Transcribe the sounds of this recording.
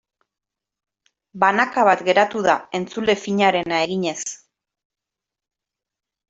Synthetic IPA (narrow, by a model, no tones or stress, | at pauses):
banakaβat̪ɡe̞ɾat̪uðae̞nt͡sule̞fiɲaɾe̞nae̞ɣiɲe̞s